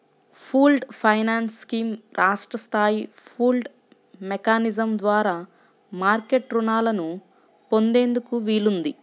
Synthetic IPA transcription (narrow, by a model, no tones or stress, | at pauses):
pʰuːlɖpʰɐjnaːnskiːmɾaːʂʈɾɐst̪ʰaːjipʰuːlɖ | mekaːnizɐmd̪ʋaːɾaː | maːɾke̞ʈɾunaːlɐnu | po̞nd̪e̞ːnd̪ukuʋiːlund̪i